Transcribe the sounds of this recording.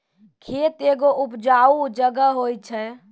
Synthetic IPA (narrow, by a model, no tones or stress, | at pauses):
kʰet̪eɡoʔupd͡ʒaud͡ʒəɡəɦojt͡ʃʰɛ